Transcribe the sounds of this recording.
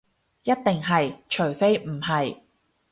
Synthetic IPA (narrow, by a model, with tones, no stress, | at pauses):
jɐ˥t̚t̪ɪ˨ŋɦɐ˨jt͡ʃʰɵ˨˩ɥfe˥jm̩˨˩ɦɐ˨j